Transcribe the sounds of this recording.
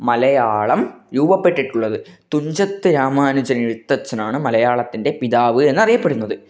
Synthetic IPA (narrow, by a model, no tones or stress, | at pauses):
mɐlɐjaːɭɐmjuːbɐpːe̞ʈːiʈːuɭːɐðɨt̪uɲd͡ʑɐt̪ːɨɾaːmaːnud͡ʑɐɐniɻut̪ːɐt͡ɕːɐnaːɳɨmɐlɐjaːɭɐt̪ːinde̞piðaːʋɨe̞nːɐrijɐpːeɽunːɐðɨ